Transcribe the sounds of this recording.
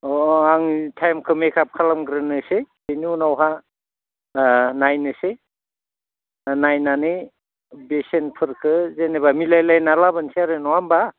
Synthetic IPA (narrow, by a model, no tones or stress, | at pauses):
ɔaŋtʰajmkʰɯmekʰap̚kʰalamɡɾɯnɯsebeniunawɦa | najnɯse | najnanɯ | besenpʰɯɾkʰɯzenebamilajlajnalabɯnseaɾɯnɔamba